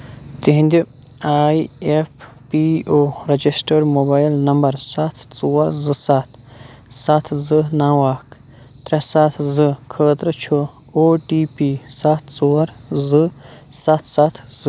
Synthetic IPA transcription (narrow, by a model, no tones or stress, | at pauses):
t̪iɦĩnd̪i | aːiep | pioːɾɐd͡ʒisʈɐɾmoːbaːjlnɐmbɐɾsat̪ʰt͡soːɾzɨsat̪ʰ | sat̪ʰzɨnaːwaːk | t̪ɾɐsat̪ʰzɨkʰəːt̪ɾɨt͡ʃʰu | oːʈiːpisat̪ʰt͡soːɾzɨsɐt̪ʰsat̪ʰz̥ɨ